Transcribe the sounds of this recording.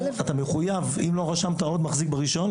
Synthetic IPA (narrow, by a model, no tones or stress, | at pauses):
at̪ameχujavimlo̞ʁaʃamt̪ao̞d̪maχzik̚beʁiʃo̞n